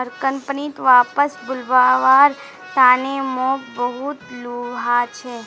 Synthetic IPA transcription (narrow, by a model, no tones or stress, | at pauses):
əɾkənpnit̪ʋapəsbʊlʋaʋaɾ | t̪anemɔkbəɦut̪luɦat͡ʃʰe